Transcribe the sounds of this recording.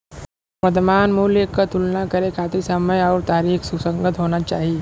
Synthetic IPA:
ʋɐɾt̪maːnmuːljəkːat̪ʊlnakɐɾekʰaːt̪isəməjɔːɾt̪aːɾiːksusə̃ŋɡət̪ɦoːnat͡ʃaːɦie

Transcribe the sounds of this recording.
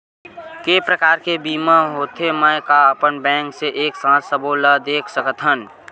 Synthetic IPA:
kepɾəkaːɾkebiːmaɦot̪ʰemə̃jkaəpənbɛ̃ːŋkseʔeːksãːt̪səboləd̪eːkʰsəkət̪ɦən

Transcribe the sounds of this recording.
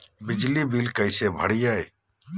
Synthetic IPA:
bɪd͡ʒliːbiːlkəɪseːbʱəɽijaːe

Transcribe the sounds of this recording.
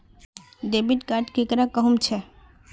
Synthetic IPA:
ɖ̪ebiʈkaʈkekɾakəɦumt͡ʃʰɛ

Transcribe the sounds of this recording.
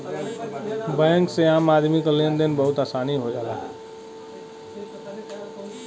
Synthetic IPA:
bəə̃ŋkseamad̪ʱmikolend̪enbəɦut̪asaniɦod͡ʒala

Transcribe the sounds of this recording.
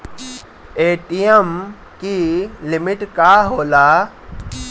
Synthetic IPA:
eːʈijəm | kilimiʈkaɦoːlaː

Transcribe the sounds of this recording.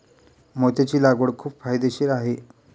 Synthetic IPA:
mot̪at͡ɕiːlaɡoɽkʰuːpfajd̪eɕiːɾaɦe

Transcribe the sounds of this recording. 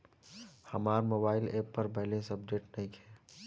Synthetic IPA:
həmaːɾmoːbaːɪleːpːəɾbɐɦlesəb̚ɖeːʈnɐɦĩkʰɛː

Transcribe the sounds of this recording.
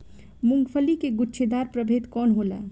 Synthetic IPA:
muŋɡpʰəlikeɡʊtːʃʰed̪aɾpɾəbʱet̪kɔːnɦola̰

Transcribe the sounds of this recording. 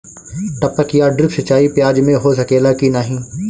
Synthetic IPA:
ʈɐpəkjaːɖɾɪksɐt͡ʃːaːipɪjaːd͡ʒmẽɦosɐkeːlakinaːɦĩː

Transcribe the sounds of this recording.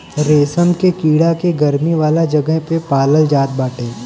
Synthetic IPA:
ɾeːsəmkekiːɽakeɡɐɾmiʋaːlad͡ʒɐɡəɦpepaːləld͡ʒaːt̪̚baːʈeː

